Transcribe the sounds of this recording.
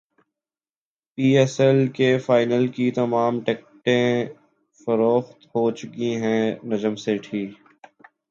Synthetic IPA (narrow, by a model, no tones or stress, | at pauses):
piːɛsɛlkefaːɪnəlkit̪ɐmaːmʈeːk̚ʈẽ | fɐɾoːxt̪ɦoːt͡ʃʊkĩɦɛ̃ːnɐd͡ʒəmseʈʰiːk